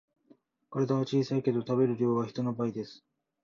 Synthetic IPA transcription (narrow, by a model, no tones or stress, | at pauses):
koɾe̞d̪aβat͡ɕiːsaike̞d̪o̞t̪abe̞ɾɯ̟ɾʲjo̞ːɡaçi̥t̪o̞no̞baid̪e̞sɨ̥